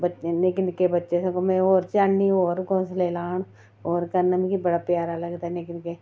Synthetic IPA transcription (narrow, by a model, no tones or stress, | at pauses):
bəenekɪnkebətːʃesẽkomẽoːɾt͡ʃaːnioːɾkõːnsleːlaːn | oːɾkəɾnamĩkibəɽaːpjaːɾaːləɡd̪aɛnekɪnke